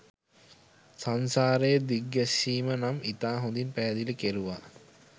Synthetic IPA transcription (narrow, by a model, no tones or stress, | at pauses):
sansaːɾejəd̪iɡːæʃːiːmənamit̪aːɦond̪inpæːd̪iləkeɾuʋa̰